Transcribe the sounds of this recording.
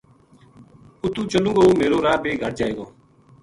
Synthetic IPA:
ʊt̪ũːt͡ʃəlũːɡoːmeːɾoːɾaːbʱeːɡʱəʈ̚d͡ʒaːeːɡoː

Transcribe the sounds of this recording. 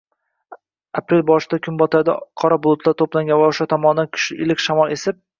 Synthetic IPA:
apɾelbɒʃɪd̪akʲʰʊnbɒt̪ʰad̪a̰qʰɒɾabʊlˠʊt̪ʰlˠaɾt̪ʰoplˠaŋɡʲanvaʊʃat̪ʰɒmɒnd̪ankʲʰʊ̥ʃlɪɪlɪkʲʃamɒlˠesɪp̚

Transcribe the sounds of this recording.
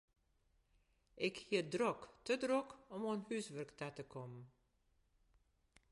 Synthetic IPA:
ɛkhid̪ɾɔkt̪ʰəd̪ɾɔkɔmɔnhʉːsʋœɾkt̪ʰæt̪əkʰɔm

